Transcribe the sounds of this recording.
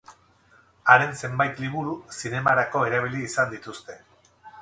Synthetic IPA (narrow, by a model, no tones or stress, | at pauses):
aɾe̞nse̞mbajt̪liβuɾusine̞maɾako̞e̞ɾaβ̞iliːsand̪it̪ust̪e̞